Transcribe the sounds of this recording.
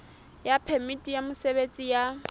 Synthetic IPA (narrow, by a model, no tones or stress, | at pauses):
japʰɛmitʼijamʊseβet͡sʼija